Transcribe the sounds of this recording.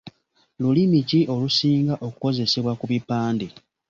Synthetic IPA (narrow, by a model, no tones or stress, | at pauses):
lulimiciʔo̞lusiːŋɡaʔo̞ku̥ko̞ze̞se̞βwakuβipaːnde